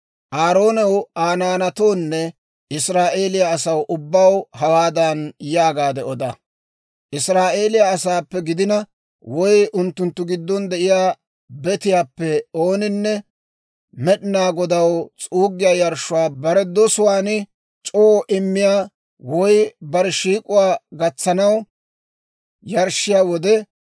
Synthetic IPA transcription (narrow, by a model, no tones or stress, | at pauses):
ʔaːɾo̞ːnɛwaːnaːnɐt̪o̞ːnːɛ | ɪsɾaːʔe̞ːlɪjaːsɐwʔʊbːɐwhɐwaːd̪ɐnjaːɡaːd̪ɛɔd̪ɐ | ʔɪsɾaːʔe̞ːlɪjaːs̬aːpːɛɡɪd̪ɪnɐ | wɔjʔʊnt̪ːʊnt̪ːʊɡɪd̪ːɔnd̪ɛʔɪjaː | bɛt̪ɪjaːpːɛo̞ːnɪnːɛ | mɛɗɪnaːɡɔd̪ɐwt͡sʼuːɡːɪjaːjɐɾʃʊwaːbɐɾɛd̪ɔsʊwaːnɪ | t͡ʃʼoːʔɪmːɪjaː | wɔjbɐɾɛʃiːkʼʊwaːɡɐt͡sːɐnɐw | jɐɾʃɪjaːwɔd̪ɛ